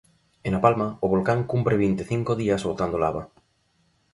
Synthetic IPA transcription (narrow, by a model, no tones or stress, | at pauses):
enapalmaoβolkaŋkumpɾeβint̪eθiŋkoðiasβot̪and̪olaβa